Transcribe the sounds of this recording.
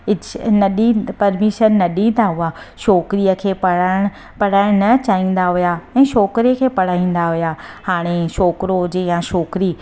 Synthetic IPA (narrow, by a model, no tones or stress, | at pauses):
ɪnɐɗipɐɾmiʃənːɐɗĩːn̆d̪aɦʊa | ʃɔːkɾiːəkʰeːpɐɽaːɪ̃ | pɐɽ̤aːɪɽ̃nɐt͡ɕaːɦĩːn̆d̪aɦʊjaɛ̃ːʃɔːkɾiəkʰeːpɐɽ̤aːĩːn̆d̪aɦʊjahaːɽ̃eʃɔːkɾod͡ʑejãʃɔːkɾiː